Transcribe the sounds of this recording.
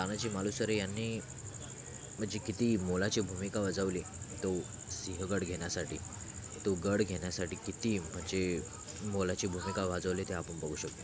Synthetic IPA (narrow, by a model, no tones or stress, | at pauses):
tanat͡ɕiːmalusəɾejanːiː | m̤əɳd͡ʑekit̪iːmolat͡ɕebʱumikaʋəd͡zəʋli | t̪o | siɦəɡəɽɡʱeɳjasaʈḭː | t̪oɡəɽɡʱeɳjasaʈiːkit̪iːm̤əɳd͡ze | molat͡ɕibʱumikaʋad͡zəʋlet̪eapəɳbəɡʱuɕəkt̪e